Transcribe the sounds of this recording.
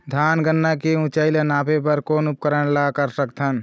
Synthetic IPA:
d̪ʱaːnɡənːakeũt͡ʃaɪlenaːpʰep̬əɾkoːnup̚kəɾəɳlakəɾsək̚t̪ʰɦən

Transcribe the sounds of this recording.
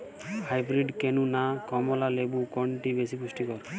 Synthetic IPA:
hajbɾiɖkenunakɔmɔlalebukɔɳʈibesipusʈikɔɾ

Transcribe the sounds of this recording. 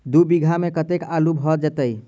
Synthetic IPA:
d̪ubiɡʱamekət̪ekalubʱɦɔd͡ʒɛt̪əj

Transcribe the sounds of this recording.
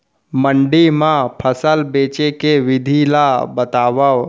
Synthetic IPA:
məɳɖimãpʰəsəlbet͡ʃekeʋɪd̪ʱilabət̪aːʋəʋ

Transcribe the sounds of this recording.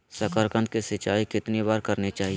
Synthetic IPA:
sɐkəɾkə̃nd̪kesɪt͡ʃaːikɪt̪nibaːɾkɐɾnet͡ʃaːɦi

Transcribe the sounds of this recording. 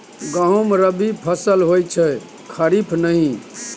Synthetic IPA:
ɡaomɾəbipʰəsəlɦojt͡ʃʰɛ | kʰəɾipʰnəɦĩ

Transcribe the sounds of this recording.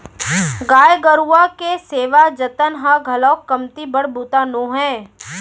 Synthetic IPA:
ɡaːjɡəɾuakeseːʋad͡ʒət̪ənɦaɡʱɐlɔːkːɐmt̪ibəɽbuːt̪anõːɦɛ̃ː

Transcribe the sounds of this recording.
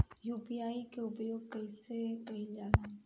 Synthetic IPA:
juːpiaːikeʊpjoːɡ̚kɐɪsekɐĩd͡ʒaːla

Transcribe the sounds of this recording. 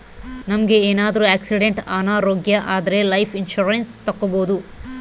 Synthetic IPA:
nɐmɐɡe̞eːnaːd̪ɐɾuaːksiɽeɳʈaːnaːɾoːɡjɐʔaːd̪ɐɾe̞lɐjpʰinʃuɾenst̪ɐkːɐboːd̪u

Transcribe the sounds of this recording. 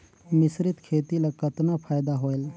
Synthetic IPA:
mɪsɾɪt̪kʰeːt̪ilakət̪napʰaːjd̪aɦoːel

